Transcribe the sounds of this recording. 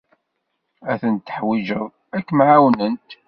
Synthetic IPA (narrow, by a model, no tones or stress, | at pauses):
æθənt̪ːə̥ħwiʒəðˤ | ækːmʕawnənt̪